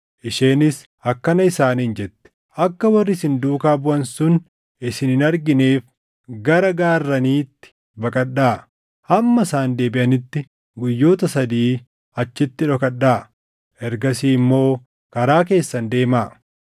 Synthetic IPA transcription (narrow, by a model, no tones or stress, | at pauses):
ʔɪʃe̞ːnɪs | ɐkːɐnɐɪsaːnɪnd͡ʒɛt̪ːɛ̥ | ʔɐkːɐwɐrːɪsɪnd̪uːkaːbʊʔɐnsʊn | ɪsɪnɪnɐɾɡɪneːf | ɡɐɾɐɡaːrːɐniːt̪ːɪ̥ | bɐkʼɐɗaː | hɐmːɐsaːnd̪e̞ːbɪʔɐnɪt̪ːɪ | ɡʊjːo̞ːt̪ɐsɐd̪iː | ɐt͡ʃːɪt̪ːɪᶑɔkɐᶑːaː | ʔɛɾɡɐsiːɪmːo̞ː | kɐɾaːk̬e̞ːsːɐnd̪e̞ːmaː